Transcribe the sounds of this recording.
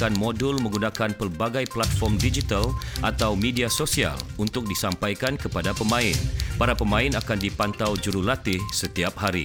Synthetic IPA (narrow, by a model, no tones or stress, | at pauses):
anmodulmə̃ŋɡunakanpərbaɡajplat̪̚fɔrmdid͡ʒit̪alʔat̪awmediasosia̰lunt̪ʊk̚disampajkankəpadapəmãɪnpaɾapəmãɪnakandipant̪awd͡ʒuɾulat̪ɪhsət̪iap̚haɾḭ